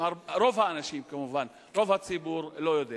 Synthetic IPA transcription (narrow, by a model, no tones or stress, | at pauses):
aɾɾo̞vhaːnaʃimkamuvan | ʁo̞vhat͡sibuɾlo̞jod̪e